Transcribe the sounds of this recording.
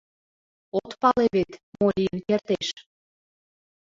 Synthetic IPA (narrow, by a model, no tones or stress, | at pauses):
ot̪pɑleβet̪molʲiənkert̪eʃ